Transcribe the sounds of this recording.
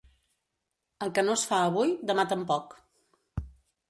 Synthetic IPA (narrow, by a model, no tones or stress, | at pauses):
əlˠkənosfaəβujd̪əmat̪əmpɔk